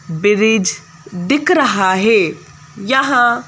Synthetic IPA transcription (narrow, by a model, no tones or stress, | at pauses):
bɪɾɪd͡ʒ | d̪ɪkɾəɦaːɦeː | jaɦãː